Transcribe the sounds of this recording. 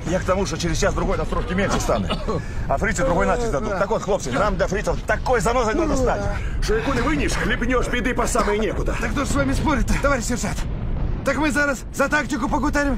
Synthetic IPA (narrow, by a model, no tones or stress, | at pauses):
jakt̪ɐmuʂt̪ot͡ɕɪɾʲɪzst͡ɕasd̪ɾʊɡo̞jnɐst̪ɾokʲɪmʲenʲʂɨst̪anɨ̰ | ɐfɾʲit̪sɨd̪ɾʊɡo̞jnaɪd̪ɐd̪ut̪t̪akot̪xlˠo̞p̚sənamd̪lʲɐfɾʲit̪əft̪ɐkojzɐnozəd̪ad̪əst̪atʲʂɨɪkunɨvɨnʲɪʂlʲɪpʲnʲoʂbʲɪd̪ɨpɐsamɨjnʲekʊd̪ət̪akt̪oʐəsvamʲɪspo̞ɾʲɪt̪ːəɐvaɾʲɪʃʲvʲɪrsat̪ | t̪akmɨzaɾaszɐt̪aktʲɪkʊpəɡʊd̪aɾʲɪm